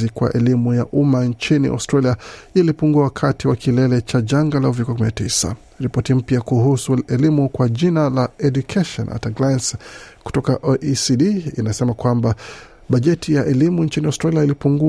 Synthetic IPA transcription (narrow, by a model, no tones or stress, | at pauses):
ikwa̰ʔɛlimujaʔumaɲt͡ʃinḭʔɔ̰stɾaliailipuŋɡuawakʰatiwakʰilɛlɛt͡ʃaʄaŋɡalauvikɔakuminatisa̰ | ɾipɔtim̩pjakuhusuɛlimukwaʄinalaɛɗukʰɛʃɔ̰na̰taɡlajnsku̥tɔkaʔoʔisiɗiinasɛmakwamba | ɓaʄɛtʰijaʔɛlimunt͡ʃiniɔstɾaliailipuŋɡu